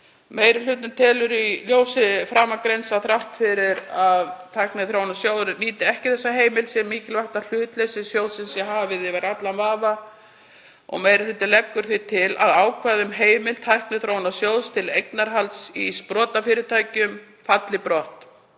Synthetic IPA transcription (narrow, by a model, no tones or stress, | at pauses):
mejɾɪl̥ʏːt̪nʏmt̪ʰɛːlʏɾiljoːwsɪfɾaːmakɾensaθɾaht̪fɪɾɪɾaðt̪ʰajknɪθɾownasjoːwðɾʏniːt̪ɪɛhcɪθɛsːaɦeːjmɪlsjɛmːiːcɪlvaht̪al̥ʏːt̪lejsɪsjowðsɪmsjɛɦavɪðɪvaɾat̪lanvaːva | ɔ̰ɣmeːjɾɪθet̪ɪlɛkːʏɾ̥θit̪ʰɪla̰ðaːwkʰvaːðʏmɦeːjmɪlt̪ʰajhknɪθɾownasjowðst̪ʰɪlejknaɾɦalt̪sispɾɔːt̪afɪːɾɪt̪ʰaːjcʏm | fat̪lɪpɾɔht̪